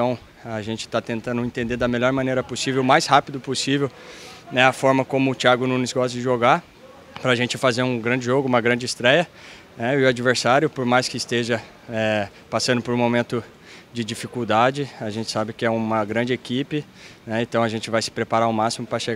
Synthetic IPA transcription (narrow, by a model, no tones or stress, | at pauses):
t̪ɐ̃w̃ | aʒẽnt͡ʃɪ̥t̪at̪ẽnt̪ɐ̃nʊẽnt̪ẽnd̪eɾd̪ɐmeʎɔɾmɐ̃nejɾɐposivewʊmajshapid̪ʊposivewnɛɐfɔɾmɐkõmʊːt͡ʃiaɡʊnũnɪsɡɔst̪ɐd͡ʒɪʒoɡa | pɾɐaʒẽnt͡ʃɪfazeɾũɡɾɐ̃nd͡ʒɪʒoɡʊũmɐɡɾɐ̃nd͡ʒɪst̪ɾɛjɐ | nɛɪʊad͡ʒiveɾsaɾjʊpoɾmajskɪɪst̪eʒɐ | ɛ | pasɐ̃nd̪ʊpoɾũmomẽnt̪ʊ | d͡ʒɪd͡ʒifikuwd̪ad͡ʒɪaʒẽnt͡ʃɪ̥sabɪkɪɛũmɐɡɾɐ̃d͡ʒɪekipɪ | nɛẽt̪ɐ̃w̃ɐʒẽt͡ʃɪvajsɪ̥pɾepaɾaʊmasimʊpɾɐʃe